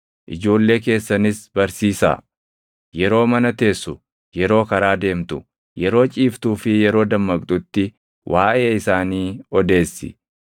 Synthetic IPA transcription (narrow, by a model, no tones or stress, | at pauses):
ʔɪd͡ʒo̞ːlːe̞ːke̞ːsːɐnɪsbɐɾsiːsa̰ː | jɛɾo̞ːmɐnɐt̪e̞ːsːʊ | jɛɾo̞ːkɐɾaːd̪e̞ːmt̪ʊ | jɛɾo̞ːt͡ʃʼiːft̪uːfɪjɛɾo̞ːd̪ɐmːɐkʼd̪ʊt̪ːɪ | wʔaːʔe̞ːɪsaːniːɔd̪e̞ːsːɪ̰